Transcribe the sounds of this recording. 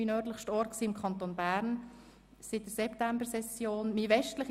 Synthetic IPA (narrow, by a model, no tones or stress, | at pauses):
inœɾdləχʃtɔɾtksiːɪmkʰχɑnt̪onbæɾn | sɪt̚d̥əsɛptæmbəɾsɛsjoːnmiʋɛʃtləχ